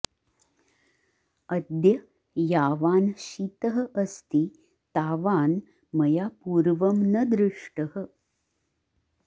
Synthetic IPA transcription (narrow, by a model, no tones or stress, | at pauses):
ɐd̪jɐ | jaːʋaːnɕit̪əɦə̆ʔɐst̪i | t̪aːʋaːn | mɐjapuːɾʋɐmnɐd̪ɾɪʂʈəhə̆